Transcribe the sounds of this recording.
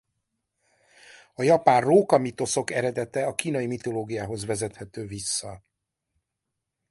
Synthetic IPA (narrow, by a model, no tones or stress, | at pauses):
ɒjɒpaːrroːkɒmit̪o̞so̞kɛɾɛd̪ɛt̪ɛɒkiːnɒjimit̪o̞loːɡijaːɦo̞zvɛzɛt̪hɛt̪øːvisːɒ